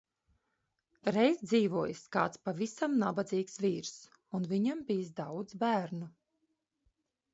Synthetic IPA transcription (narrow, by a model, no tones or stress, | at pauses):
ɾɛjzd̪ziːvuɔjskaːt̪spavisamnabad̪ziːksviːɾs | unviɲambijsd̪awd̪zbæːɾnu